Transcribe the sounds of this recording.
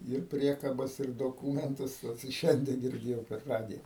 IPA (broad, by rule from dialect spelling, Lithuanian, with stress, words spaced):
ɪr ˈpʲrʲiɛkɐbɐs ɪr doːˈkuːmʲɛntʊs oːt ɪ ˈʃʲɛnʲdʲiɛ ɡʲɪrʲˈdʲeːjɛʊ pʲɛr ˈrɑːdʲɪjɛ